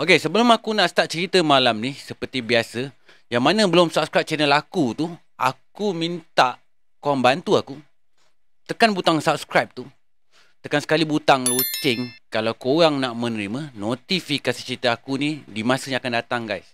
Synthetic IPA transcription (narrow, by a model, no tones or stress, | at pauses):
okesəbəlʊmakunaʔsə̥t̪aʔ̚t͡ʃəɾit̪əmalamnisəpərt̪ibiasə | jaŋmanə̃bəlʊmsap̚skɾap̚t͡ʃɛnəlakut̪u | ʔa̰kumint̪aʔ | koɾaŋbant̪uaku | t̪əkanbut̪aŋsap̚skɾajp̚t̪u | t̪əkansə̥kalibut̪aŋlot͡ʃɪŋkalawkoɣaŋnaʔmə̃nəɾimə̃not̪ifikasi̥t͡ʃəɾit̪əakunidimãsəɲakandat̪aŋɡa̰js